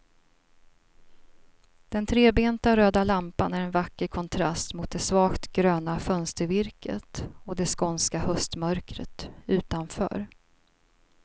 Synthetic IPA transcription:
d̪̥ɛnt̪ʰɾeːbeːnt̪aɾøːd̪alampanæɾɛnvakːəɾkʰɔnt̪ʰɾast̪mʊt̪̚d̪ɛsvɑːkt̪ɡɾøːnafœnst̪əɾvɪɾkə̰t̪ɔd̪ɛskɔnskahœst̪mœɾkɾə̰t̪ʉ̟ːt̪anfœ̰ːɾ

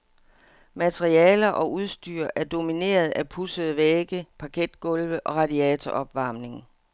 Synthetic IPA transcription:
mæt͡sʰʁiɛːlɐʔɒ̽ʔuðˠsd̥y̰ɐʔæɐd̥o̝mine̝̰ːɐð̞̩ˠæpʰusəð̩ˠəʋeːɡ̥əpʰɑ̈kʰed̥ɡ̥ɔ̽lʋəʔɒ̽ʁɑ̈diɛt͡sʰɒʔɒ̽b̥ʋɑ̈ːmne̝ŋ

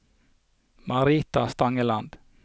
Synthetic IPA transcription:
mɑɾiːt̪ast̪ɑŋəlɑnd̪̥

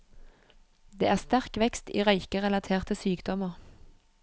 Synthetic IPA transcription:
d̪ḛːʔæːʁst̪æʁkʋɛkst̪iːʁœʏkəʁɛlɑt̪ʰeːʁt̪əsyːkd̪̥ɔməʁ

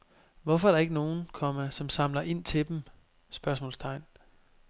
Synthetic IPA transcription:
ʋɒfɒæɐɾ̥ɑ̈e̝ɡ̥əno̝ːn̩kʰɒ̽məsɒ̽msɑ̈mlɐʔe̝n̰t͡sʰe̝d̥em | sb̥ɶɐsmɔ̰ːlst͡sʰɑ̈ɪ̰n

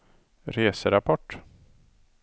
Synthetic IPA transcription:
ɾeːsəɾapʰɔʈː

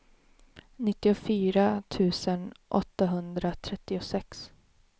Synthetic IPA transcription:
nɪt̪ːɪʊfyːɾat̪ʰʉ̟ːsənʔɔ̰t̪ːaɦɵnd̪ɾat̪ʰɾɛt̪ːɪʊsɛks

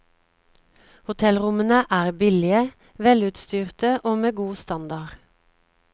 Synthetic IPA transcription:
hʊt̪ʰɛlʁʊmənəʔæːʁbɪlɪə | ʋɛlʉːt̪st̪yːʁt̪əʔoːmeːɡuːst̪ɑnd̪ɑʁ

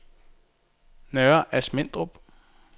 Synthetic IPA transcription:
nœːɐʔæsmen̰d̥ʁob̥

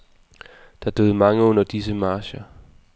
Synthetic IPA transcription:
d̥ɑ̈d̥øð̩ˠmɑ̈ŋəɔ̽n̰ɐd̥isəmɑ̈ːɕɐ

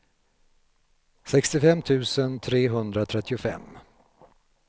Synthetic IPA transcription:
sɛkst̪ɪfɛmːt̪ʰʉ̟ːsənt̪ʰɾeːɦɵnd̪ɾat̪ʰɾɛt̪ːɪʊfɛ̰mː

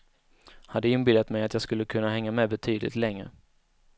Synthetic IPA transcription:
had̪ːəɪnbɪld̪at̪mɛjat̪jɑːɡskɵlːəkʰɵnːaɦɛŋːamɛbɛt̪ʰyːd̪lɪ̰t̪lɛŋːɾə̰

